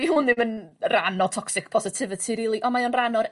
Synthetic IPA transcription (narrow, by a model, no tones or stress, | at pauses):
ihʊnːɪmənranɔtʰɔksɪk̚pʰɔsɪtʰɪvɪtʰiɾilˠiʔɔmaɔnranɔɾ